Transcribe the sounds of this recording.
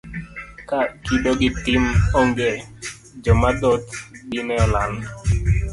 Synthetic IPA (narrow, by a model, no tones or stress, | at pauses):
kakiɗoɡɪtɪmɔŋɡɛ | d͡ʒɔmad̪ɔt̪ɡinɛɔlan